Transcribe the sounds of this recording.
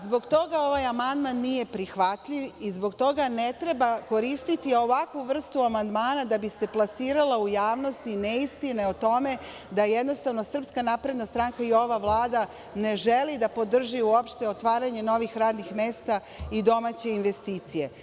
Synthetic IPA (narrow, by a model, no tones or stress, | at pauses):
zbo̞ɡt̪o̞ɡao̞ʋajamand̪manːije̞pɾixʋat̪ʎiʋizbo̞ɡt̪o̞ɡane̞t̪ɾe̞bako̞ɾist̪it̪io̞ʋakʋuʋr̩st̪uamand̪maːnad̪abise̞plˠasiːɾalaujaːʋno̞st̪ineist̪ineot̪o̞me̞ | d̪ajed̪no̞st̪aʋno̞sr̩pskanapɾe̞d̪nast̪ɾaŋkaio̞ʋaʋlˠaːd̪a | ne̞ʒe̞lid̪apo̞d̪r̩ʒiuo̞pʃt̪e̞ot̪ʋaːɾaɲe̞no̞ʋixɾaːd̪nixme̞ːst̪a | id̪o̞mat͡ɕe̞inʋe̞st̪iːt̪sije̞